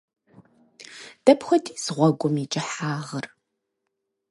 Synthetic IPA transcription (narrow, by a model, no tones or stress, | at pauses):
d̥ɐpxʷɔdʰiːz̥ʁʷɔɡʷʊmit͡ʃʼɪħaːʁər